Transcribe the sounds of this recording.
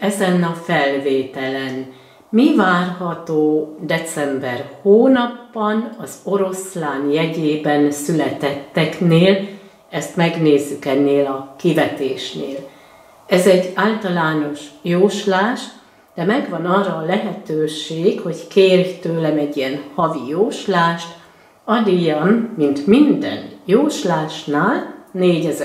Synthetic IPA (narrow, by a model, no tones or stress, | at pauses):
ɛzɛnɒfɛlveːt̪ɛlɛn | mivaːrɦɒt̪oːd̪ɛt̪sɛmbɛrhoːnɒpːɒnɒzo̞ɾo̞slaːnjɛɟeːbɛnsylɛt̪ɛt̪ːɛkneːl | ɛst̪mɛɡneːzːykɛnːeːlɒkivɛt̪eːʃneːl | ɛzɛɟːaːlt̪ɒlaːno̞ʃjoːʃlaːʃ | d̪̥ɛmɛɡvɒnɒːrɒːlɛɦɛt̪øːʃeːkho̞ckeːrjt̪øːlɛmɛɟːiɛnhɒvijoːʃlaːʃt̪ | ɒd̪ijɒmːint̪mind̪ɛ̰njoːʃlaːʃnaːlneːɟɛz